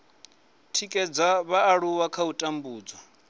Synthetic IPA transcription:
tʰikʼɛd͡zaβaːɺuwakʰautʼambuːd͡zwa

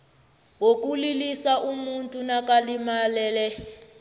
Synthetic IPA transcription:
wok̬ʼulilisaʔumuntʼunakalimalɛːlɛ

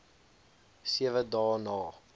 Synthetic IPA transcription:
siəvədɑːnɑː

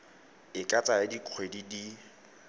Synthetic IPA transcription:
ɪkʼat͡sʼajɪdiq͡χʰwedidi

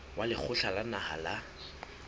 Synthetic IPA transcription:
walɪk͡xʰʊɬalanaha̰la

